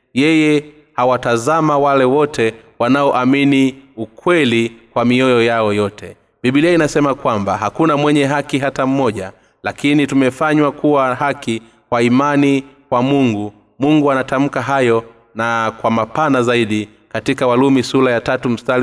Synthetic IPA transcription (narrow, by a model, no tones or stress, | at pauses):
jɛjɛ | hawatazamawalɛwɔtʰɛwanaɔʔaminiukwɛlikwamiɔjɔjaɔjɔtʰɛ | ɓiɓiliainasɛmakwambaɦakunamwɛɲɛɦakiɦatam̩mɔʄa | lakinitumɛfaɲwakʰuwaɦaki | kwaimanikwamuŋɡu | muŋɡuanatam̩kaɦajɔ | nakwamapanazaiɗi | katikawalumisulajatatum̩stal